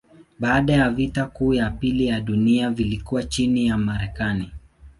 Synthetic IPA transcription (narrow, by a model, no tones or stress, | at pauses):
ɓaːɗajavitakuːjapilijaɗuniavilikuwat͡ʃinijamaɾɛkani